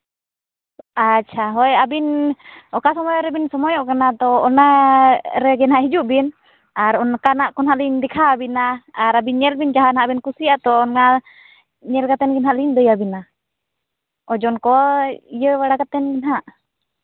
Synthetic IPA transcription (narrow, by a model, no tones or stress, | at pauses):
at͡ʃʰaɦɔɛabinɔkasɔmɔjɔɾɛbinsɔmɔjɔʔkanat̪ɔːna | ɾɛɡɛnɦaʔɦid͡ʒuʔbin | aɾɔnkanaʔkɔnɦaʔliɲdikʰaːbinaːɾabinɲɛlbind͡ʒaɦanhaʔbinkusiat̪ɔːnŋa | ɲɛlkat̪ɛnɡɛnɦaʔliɲdɔjabina | ɔd͡ʒɔnkɔijəwaɽakat̪ɛnɡinɦaʔ